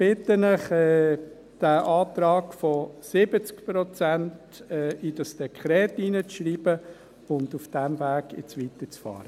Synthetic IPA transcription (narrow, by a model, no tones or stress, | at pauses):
b̥ɪtənɪχɛː | d̥æʔɑːtɾɑːkfɔsɪbət͡skpɾɔt͡sænt | ɛʔid̥ɑsd̥ɛkʰχɾɛːtiːnət͡sʃɾiːb̥ə | ʊndufd̥ɛmvæːɡ̥jɪ̰t͡sʋit̪ət͡sfɑ̰ːɾə